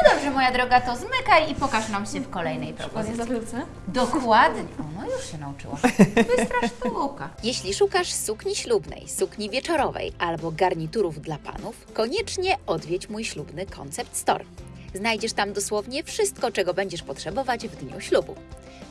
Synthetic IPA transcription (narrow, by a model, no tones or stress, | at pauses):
ɔd̪ɔbʐɛmɔjad̪ɾɔɡat̪ɔzmɘkajipɔkaʂnamɕɛfkɔlɛjnɛjpɾɛpɔɛzɛ | d̪ɔkwad̪ɲɛɔnɔjuʂɕɛnaut͡ʂɘ̰wa̰vɪst̪ɾaʂʂfɡukajɛɕlʲiʂukaʂsukɲiɕlubnɛ̰jsukɲivʲjɛt͡ʂɔɾɔvɛ̰jʔalbɔɡaɾɲit̪uɾuvd̪lapa̰nufkɔɲɛt͡ʂɲɛɔd̪vʲjɛt͡ɕmujɕlubnɘkʰɔ̰nt̪sɛp̚t̪st̪ɔ̰ɾ | znajd͡ʑɛʂt̪amd̪ɔswɔvɲɛfʂɘst̪̚kɔt͡ʂɛɡɔbɛɲd͡ʑɛʂpɔtʂɛbɔvad͡ʑvd̪ɲṵɕlubṵ